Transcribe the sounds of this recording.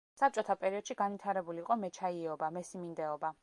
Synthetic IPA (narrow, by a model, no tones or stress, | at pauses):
sap̚t͡ʃʼɔt̪ʰapʼɛɾiɔd̪̥ʃiɡanvwit̪ʰaɾɛbuliːqʼɔmɛt͡ʃʰaiɔbamɛsimind̪ɛɔba